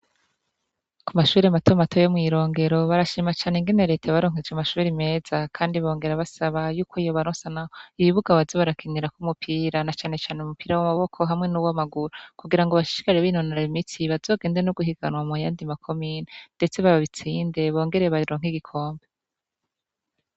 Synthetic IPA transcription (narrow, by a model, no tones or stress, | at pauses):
kumaʃuːɾiamatomatʰo̞jomŋiːɾo̞ːŋɡe̞ɾo̞βaɾaʃiːmat͡ʃaːneŋɡene̞ɾetʰaβaɾo̞ːŋ̥ed͡ʒamaʃuːɾime̞ːz̥akʰaːndiβo̞ːŋɡe̞ɾaβasaβajuːkʰoijoβaɾoːnsanaiβiβuɡaβazoβaɾakʰiniɾakumupʰiːɾanat͡ʃaːne̞t͡ʃaːneumupiːɾawamaβo̞kʰo̞ɦamŋe̞nuwamaɡuɾokuɡiɾaŋɡoβaʃi̥ʃi̥kaɾeβinonoɾaimitiβazo̞ːɡe̞ːndeenoɡuɦiɡanwamujaːndimakʰo̞miːnende̞t͡se̞βaβaβit͡siːnde̞βo̞ːŋɡe̞ɾeβaɾoːŋɦiɡikʰo̞ːmbe